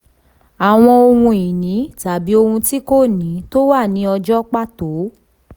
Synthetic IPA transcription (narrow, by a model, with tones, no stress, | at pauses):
a˨w̃ɔ̃˧o˧hũ˧i˨nĩ˨˦ta˨bi˨˦o˧hũ˧ti˦ko˦˨nĩ˨˦to˦wa˦˨nĩ˨˦ɔ˧d͡ʒɔ˦k͡pa˦˨to˨˦